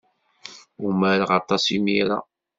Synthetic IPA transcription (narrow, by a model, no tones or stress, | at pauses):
umæɾʁɑt̪ˤɑsimiɾa̰